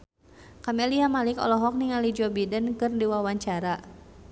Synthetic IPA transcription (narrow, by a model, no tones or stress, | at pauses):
kamɛliamalikɔ̰lɔɦɔk̚niŋalid͡ʒɔbidənkɨrdiwawaɲt͡ʃaɾa